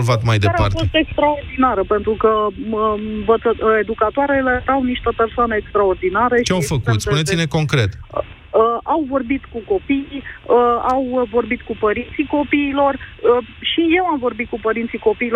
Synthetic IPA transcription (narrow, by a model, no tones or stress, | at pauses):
lvat̪majd̪eaa̰ɾtfst̪e̞kst̪ɾaord̪inaɾəpe̞nt̪ɾukəəɱvət̪səed̪ukat̪oaɾeleɾawniʃt̪əpe̞rsoanəekst̪ɾaord̪inaɾet͡ʃeawfək̪ut̪sp̪unet̪sineko̞ŋkɾe̞t̪ | əawvo̞rbit̪kuko̞pijəawvo̞rbit̪kupəɾint̪siko̞piːlo̞rəʃije̞wamvo̞rbit̪̚kupəɾint̪siko̞piːlo